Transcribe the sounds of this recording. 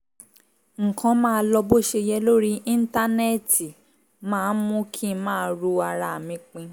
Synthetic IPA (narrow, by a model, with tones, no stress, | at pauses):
ŋ̩˨kʰã˨˦mãː˦˧lɔ˧bo˦ʃe˧jɛ˦lo˦ɾi˦ʔĩ˦n̩˦ta˦nɛ˦˨ti˨ | mãː˦˨˦mũ˦kʰĩ˦˧mãː˦˧˦ɾu˧a˧ɾa˧˨mĩ˨˧˦k͡pĩ˧